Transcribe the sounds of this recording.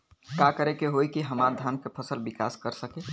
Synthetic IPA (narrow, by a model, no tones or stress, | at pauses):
kakəɾekeɦojkiɦəmaɾd̪ʱankepʰəsəlbikaskəɾsəke